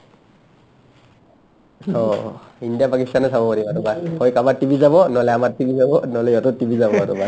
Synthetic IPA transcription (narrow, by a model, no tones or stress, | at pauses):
sɔindijapakistanɔsʰabɔpɔɾibaɾubahɔjkamatibʱizabɔnɔlɛamattibʱizabɔnɔlɛjɔtɔtibʱizabɔaɾuba